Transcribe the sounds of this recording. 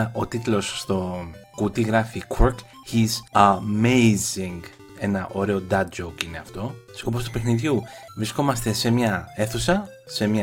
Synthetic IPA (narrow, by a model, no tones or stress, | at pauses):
o̞t̪it̪lo̞sːt̪o̞kut̪iɣɾɐfikʰuɾk | izɐmejziŋɡ | e̞nɐʔo̞ɾe̞o̞d̪ɐd͡ʒokine̞ɐft̪o̞so̞post̪upe̞xniðʝuvɾisko̞mɐst̪e̞se̞mɲɐe̞θusɐ | se̞mɲɐ